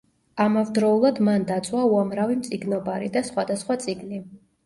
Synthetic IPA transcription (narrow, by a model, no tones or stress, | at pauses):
amavd̪ɾɔulˠad̪mand̪at̪sʼwauamɾavimt̪sʼiɡnɔbaɾid̪asχwad̪asχwat̪sʼiɡni